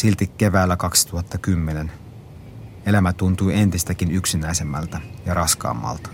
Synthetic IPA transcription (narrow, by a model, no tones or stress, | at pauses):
silt̪ikːe̞ʋæːlːækɑksi̥t̪uhɑt̪ːɑkymːenen | e̞læmæt̪unt̪uje̞nt̪ist̪ækinyksinæisemːæ̰lt̪æjɑɾɑskɑ̰ːmːɑ̰lt̪ɑ̥